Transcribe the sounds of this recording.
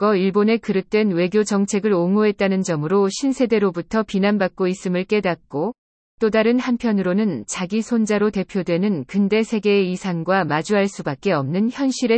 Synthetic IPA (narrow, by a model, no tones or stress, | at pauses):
ɡʌiɭbone̞kɯɾɯt͈we̞nwe̞ɡjod͡ʑʌŋt͡ɕʰe̞ɡɯɾoŋoɦe̞t̚t͈anɯnd͡ʑʌmɯɾoɕʰinsʰe̞de̞ɾobutʰʌpinanbak̚k͈ois͈ɯmɯɭk͈e̞dak̚k͈o | t͈odaɾɯnhanpʰjʌnɯɾonɯnt͡ɕaɡisʰond͡ʑaɾote̞pʰjodwe̞nɯnkɯnde̞sʰe̞ɡe̞ːisʰaŋɡwamad͡ʑuɦaɭs͈ubak̚k͈e̞ʌmnɯnçjʌnɕ͈iɾe̞